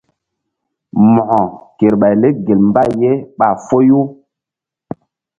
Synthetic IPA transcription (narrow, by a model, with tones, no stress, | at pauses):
mɔ˨ʔɔ˨ke˨ɾɓa˨jle˦ɡe˨lm˦ba˦˨je˦ɓa˨fo˦ju˦